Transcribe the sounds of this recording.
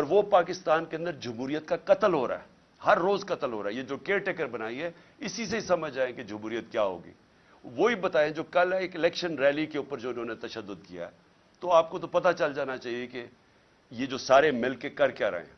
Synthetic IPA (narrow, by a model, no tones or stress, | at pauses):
ɔːɾʋopaːkɪst̪aːnkeɐ̃nd̪əɾd͡ʒʊmɦuːɾijət̪̚kakɐt̪əlɦoːɾa̰ːɦɛː | hɐɾːoːzkɐt̪əlɦo̰ːɾaːɛjed͡ʒoːkeːʈekəɾbɐnaːiɦɛ | ɪsis̬eɦisɐməd͡ʒd͡ʒaːẽked͡ʒɐmɦuːɾijət̪kjaːɦo̰ːɡḭː | ʋoibɐt̪aːẽd͡ʒoːkɐleːkɪlɛːkʃənɾɛːlikeuːpəɾd͡ʒoːɪnõːnet̪ɐʃəd̪ːʊd̪kija̰ɦɛ̰ | t̪oaːp̚kot̪̬opɐt̪at͡ʃɐld͡ʒaːnat͡ʃaːɦieke | jed͡ʒoːsaːɾemɪlkekɐɾkeaɾɐ̰ɦḛ̃